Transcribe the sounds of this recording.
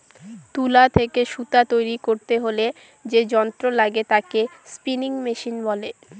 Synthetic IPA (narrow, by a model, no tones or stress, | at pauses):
t̪ulat̪ʰekeʃut̪at̪ojɾikoɾt̪eɦole | d͡ʑed͡ʑɔnt̪ɾolaɡet̪akespiniŋmeʃinbɔle